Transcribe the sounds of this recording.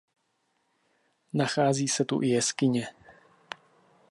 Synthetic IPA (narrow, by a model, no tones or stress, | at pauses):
naxaːziːsɛt̪ṵʔɪjɛskɪɲɛ